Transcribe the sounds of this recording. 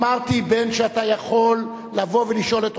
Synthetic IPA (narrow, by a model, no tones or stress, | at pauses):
maʁt̪ibenʃeatajaχo̞lː | avo̞veliʃo̞let̪